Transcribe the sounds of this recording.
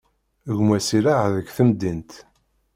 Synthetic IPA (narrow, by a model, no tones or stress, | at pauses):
ʝmæsiɾaʕðəkːθəmd̪int̪